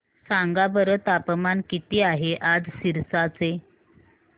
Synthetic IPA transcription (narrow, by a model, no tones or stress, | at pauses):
saŋɡabəɾət̪apmankit̪iːaɦeʔad͡zsiɾsat͡se